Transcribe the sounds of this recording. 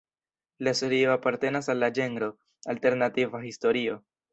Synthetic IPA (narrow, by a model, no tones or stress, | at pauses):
lasoɾioapaɾte̞nasalːad͡ʒe̞ŋɡɾo̞ | alte̞ɾnativaɦisto̞ɾio̞